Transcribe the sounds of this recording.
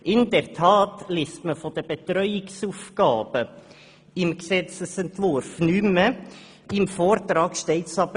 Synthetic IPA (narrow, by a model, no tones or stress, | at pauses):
ʔɪndɛɾtʰɑːtleːstməfod̥̪əb̥ɛtɾœʏɪksuːfkɑːb̥ə | ɪmksɛt͡səsɛntvʊɾfnymə | ɪmfoːɾtɾɑːɡ̥ʃtɛɪtsɑbə